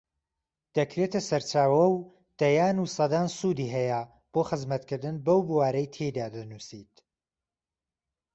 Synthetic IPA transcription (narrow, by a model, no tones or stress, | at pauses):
d̪̥ɐkɾet̪ʰɐsɐɾt͡ʃaːwɐw | d̪̥ɐjaːnusɐd̪aːnsud̪iːɦɛjɐ | b̥oːχɨzmɐt̪kɨɾd̪ɨnbɐwbuwaːɾɐjt̪ʰejd̪aːd̪ɐnusit̪